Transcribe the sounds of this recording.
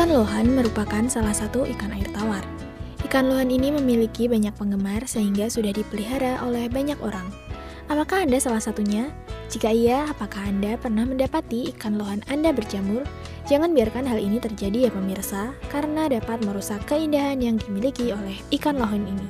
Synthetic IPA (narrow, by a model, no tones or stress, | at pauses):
ikanloɦanməɾupakansalahsat̪uʔikanairt̪awar | ʔikanloɦaniniməmilikibaɲak̚pəŋɡəmarsəɦiŋɡasudahdipəliɦaɾaʔolɛhbaɲakoɾaŋ | ʔapakahandasalahsat̪uɲa | d͡ʒikaiaːpakahandapərnahməndapat̪iːkanloɦanandabərd͡ʒamʊr | d͡ʒaŋanbiarkanɦalinit̪ərd͡ʒadijapəmirsakaɾənadapat̪̚məɾusakːəindaɦanjaŋdimilikiolɛhikanloɦɔnini